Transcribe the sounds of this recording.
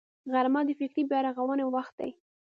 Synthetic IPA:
ɣaɾmɑd̪əfɪkɾibjɑɾɑɣawənewaxt̪̚d̪a̰j

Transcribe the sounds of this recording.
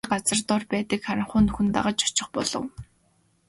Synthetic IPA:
ɢat͡sə̆rt̪ɔrpæːt̪ə̆kχaɾʲɪ̆ɴχʊːnɵxɵ̆nt̪a̰ʁə̆t͡ɕɔ̥t͡ɕɪ̆χpɔɮɞ̆w

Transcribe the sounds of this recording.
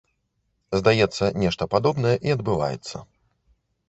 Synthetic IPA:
zd̪ajɛt̪sːɐnʲɛʂt̪ɐpad̪ɔbnɐjɛʔiɐd̪̚bɨva̰jɛ̰t̪sːɐ̰

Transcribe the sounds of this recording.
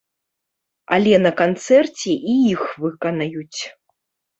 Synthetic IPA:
a̰lʲɛnɐkant̪sɛrt͡sʲɛʔijixvɨkɐnajut͡sʲ

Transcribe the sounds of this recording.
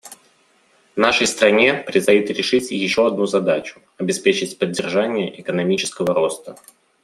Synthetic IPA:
vnaʂəjst̪ɾɐnʲepɾʲɪst̪ɐjut̪ɾʲɪʂɨtʲjɪɕːo̞ɐd̪̚nuzɐd̪at͡ɕʊ̥ | ɐbʲɪspʲet͡ɕɪtʲpədʲːɪrʐanʲɪjəʔɪkənɐmʲit͡ɕɪ̥skəvəɾo̞st̪ə

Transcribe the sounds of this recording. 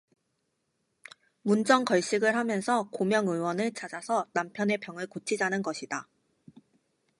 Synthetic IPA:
mund͡ʑʌŋkʌɭɕ͈iɡɯɭhamjʌnsʰʌkomjʌŋɯwʌnɯɭt͡ɕʰad͡ʑasʰʌnampʰjʌne̞pjʌŋɯɭkot͡ɕʰid͡ʑanɯnɡʌɕʰida

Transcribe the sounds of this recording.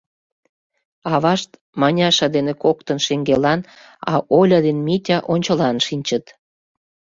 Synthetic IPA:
ɑβɑʃt̪ | mɑnʲɑʃɑd̪enekokt̪ənʃeŋɡelɑn | ɑ̰ʔolʲɑd̪enmitʲɑʔonʲt͡ɕə̆lɑnʃinʲt͡ɕət̪

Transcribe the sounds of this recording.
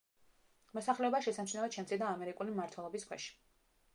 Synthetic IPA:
mɔsaχlɛɔbaʃɛsamt͡ʃʃnɛɔt̪ʃʰɛmt̪sʰid̪aːmɛɾikʼulimaɾt̪ʰwɛlˠɔbiskʰwɛ̰ʃi̥

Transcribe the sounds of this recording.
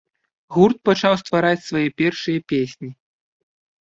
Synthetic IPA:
ɣurt̪̚pat͡ʂawst̪vaɾat͡sʲsvajɛpʲɛrʂɨjɐpʲesʲnʲi

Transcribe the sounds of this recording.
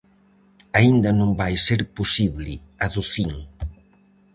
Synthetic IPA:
aind̪ɐnõmbajseɾpusiβlɪ̰aðuθiŋ

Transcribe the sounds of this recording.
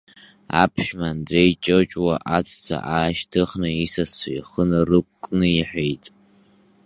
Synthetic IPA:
a̰pʰʃᶣmandrejt͡ʃʼot͡ʃʼwaʔat͡sʰʼt͡sʰa̰ʔaːʃtʰɨχnɨisasajiχənɨrɨkʷkʷʼːnɨiħᶣʷejtʼ

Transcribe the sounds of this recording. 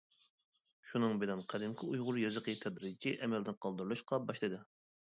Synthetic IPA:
ʃunɨŋbɪnɪnqʰæd̪ɪmkʲʰɪujʁʊɾjɑzɨqʰjit̪ʰɛd̪ɾɪd̪ɪkʲiʔɛmɛld̪ɪnqʰɑlˠd̪uɾlˠɨʃqʰɑbɑʃlˠɨd̪ɨ

